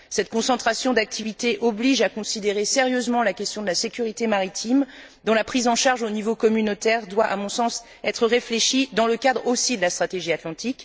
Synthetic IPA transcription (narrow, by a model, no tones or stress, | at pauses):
sɛt̪̚kɔ̃sɑ̃t̪χasjɔ̃d̪ak̚t̪ʰivit̪eʔɔbliʒakɔ̃sid̪eʁeseʁjøzmɑ̃lakʲɛst̪jɔ̃d̪əlasekʲyʁit̪emaʁit̪ʰim | d̪ɔ̃lapχizɑ̃ʃaʁʒonivokɔmynot̪ɛʁd̪waʔa̰mɔ̃sɑ̃s | ɛt̪χəʁefleʃid̪ɑ̃ləkad̪ʁosid̪əlast̪χat̪eʒiat̪lɑ̃t̪ik